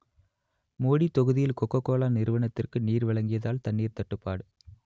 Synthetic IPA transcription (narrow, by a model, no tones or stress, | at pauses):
moːɽit̪ːɔɣɯðɪjɪlkɔkːɐkːoːlaːnɪɾɯʋɐnɐt̪ːɪrkɯniːɾʋɐɭɐŋɡɪjɐðaːlt̪ɐɳːiːɾt̪ɐʈːɯpːaːɽɯ